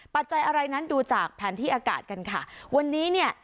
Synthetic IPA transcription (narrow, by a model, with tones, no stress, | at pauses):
pa˨˩t̪̚t͡ɕa˧jʔa˧ɾa˧jna˦˥nduː˧t͡ɕaː˨˩k̚pʰɛː˩˦nt̪ʰiː˥˩ʔaː˧ka̰ː˨˩t̪̚ka˧nkʰa˦˥˩wa˧nːiː˦˥ni˥˩ə